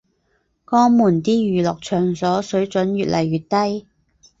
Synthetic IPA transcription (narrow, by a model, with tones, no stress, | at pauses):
kɔː˥ŋmuː˨˩nt̪iː˥jyː˨lɔː˨k̚t͡ʃʰœː˨˩ŋsɔː˨˥sɵ˨˥ɥt͡sɵ˨˥nɥyː˨t̚lʔɐ˨˩jːyː˨t̚t̪ɐ˥j